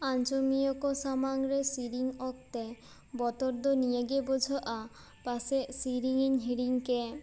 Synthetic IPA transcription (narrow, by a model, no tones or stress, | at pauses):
ant͡ɕomijokosamaŋɾesiɾiŋɔk̚t̪e | bɔt̪oɾd̪onijeɡebod͡ʑʱoʔa | pasesiɾiŋinɦiɾiŋke